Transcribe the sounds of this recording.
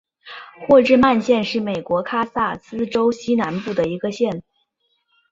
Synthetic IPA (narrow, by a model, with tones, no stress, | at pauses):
xwɔ˥˧ʈ͡ʂɻ̩˥˧ma˥˧nɕjɛ˥˧nʂɻ̩˥˩me˨˩ɪkwɔ˧˥kʰa˥sa˥˩sɹ̩˥ʈ͡ʂo˥ʊɕi˥na˧˥npu˥˩d̪ə˩i˧˥ɡə˧ɕjɛ˥˩n